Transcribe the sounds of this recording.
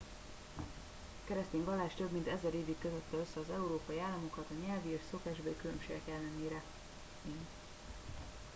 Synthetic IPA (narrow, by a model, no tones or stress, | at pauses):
kɛɾɛst̪eːɲɡɒlːaːʃt̪øbmint̪ɛzɛɾeːvikːøzøt̪ːɛøsːɛɒzɛuɾoːpɒjiaːlːɒmo̞kɒt̪ɒɲɛlvieʃso̞kaːʒbɒikylø̞mʃeːɡɛkɛlːɛneːɾɛ | eːn